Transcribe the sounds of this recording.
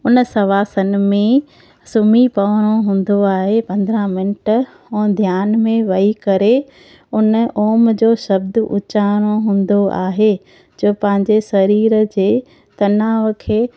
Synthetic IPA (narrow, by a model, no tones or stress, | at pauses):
ʊnsɐʋaːsənɪ̆mẽ | sʊmipɐʋəɽ̃oɦũːn̆d̪oaːɦepɐ̃nd̪ɾãmɪnəʈ | ũːd̪ʱjaːnmẽʋɐikɐɾe | ʊnəʔoːmd͡ʑoːʃɐbd̪ʔʊ̰t͡ɕaːɽ̃oɦũːnd̪oʔa̰ːɦe | d͡ʑoːpɐ̃ɦɪ̃ɲd͡ʑesɐɾiːɾəd͡ʑeː | t̪ɐnaːʋkʰeː